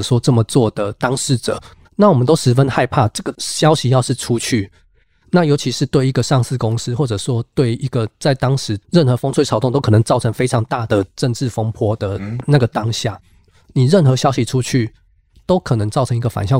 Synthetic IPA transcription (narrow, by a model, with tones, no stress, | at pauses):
ʂwɔ˥ʈ͡ʂə˥˩mə˩t͡swɔ˥˩d̪ə˩t̪ɑ˥ŋʂɻ̩˥˩ʈ͡ʂɤ̰˨˩˦ | na˥˩wɔ˨˩mə˨˦nt̪o˥ʊʂɻ̩˧˥fə˦nxa˥˧ɪpʰa˥˨ʈ͡ʂɤ˥˩ɡə˩ɕjɑ˥ʊɕi˨˦jɑ˥˧ʊʂɻ̩˥˩ʈ͡ʂʰu˦t͡ɕʰy˥˩ | na˥˩jo˧˥ʊt͡ɕʰi˧ʂɻ̩˥˧t̪we˥˩ɪi˧˥ɡə˨ʂɑ˥˧ŋsɹ̩˥˨kʊ˦ŋs̩˥˦xwɔ˥˩ʈ͡ʂɤ˨˩ʂwɔ˥t̪we˥˩ɪi˧˥ɡə˨t͡sa˥˩ɪt̪ɑ˥ŋʂɻ̩˧˦ɻə˥˩nxɤ˧˦fo˧˥ŋt͡sʰwʰɑ˨˩ʊ˥˧ŋt̪o˥ʊkʰnə˧˦ŋt͡sɑ˥˩ʊʈ͡ʂʰɤ˧˥ŋfe˥ɪʈ͡ʂʰɑ˧˥ŋt̪a˥˩d̪ə˩ʈ͡ʂə˥˧nʈ͡ʂɻ̩˥˩fo˥ŋpʰwɔ˥˦d̪ə˨na˥˩ɡə˩t̪ɑ˥˦ŋɕja˥˩ | ni˨˩ɻə˥˩nxɤ˧˦ɕjɑ˥ʊɕi˨ʈ͡ʂʰu˦t͡ɕʰy˥˩ | t̪o˥ʊkʰɤ˨˩nə˧˦ŋt͡sɑ˥˩ʊʈ͡ʂʰɤ˧˥ŋi˥ɡə˨fa̰˨˩nɕjɑ˥˨